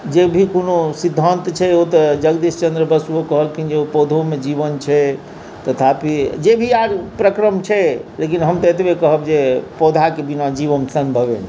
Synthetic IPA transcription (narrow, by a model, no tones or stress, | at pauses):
d͡ʒebʱikonosid̪ʱːənt̪t͡ʃʰɛot̪əd͡ʒəɡd̪ist͡ʃənd̪ɾəbəsuokəɦəlkind͡ʒeopod̪ʱomed͡ʒibənt͡ʃʰɛ | t̪ət̪ʰapid͡ʒebʱiaɾpɾəkɾəmt͡ʃʰɛlekinɦəmt̪ət̪bekəɦəbd͡ʒepɔd̪ʱakebinad͡ʒiʋəmsəmbʱəβen